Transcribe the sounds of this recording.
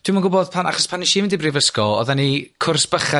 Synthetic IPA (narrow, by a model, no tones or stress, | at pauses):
tʰwimanɡʊbɔðpʰanʔa̰χɔspʰanːiʃiːmɪndibrivəskɔɔ̰ðanikʰʊrsb̥əχɛ